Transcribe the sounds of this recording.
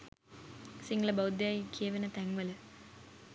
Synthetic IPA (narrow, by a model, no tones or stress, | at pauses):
siŋɡɐlɐbɐwd̪jaːjikʰeːʋɐnɐt̪ɐŋʋɐlɐ